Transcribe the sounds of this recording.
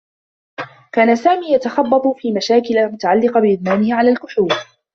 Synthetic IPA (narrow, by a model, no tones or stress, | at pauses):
kaːnasaːmiːjat̪axɑbːɑt̪ˤfiːmaʃaːkɪlamʊt̪aʕalːɪqɑbɪʔɪd̪maːnɪhɪʕalaːlkʊħuːb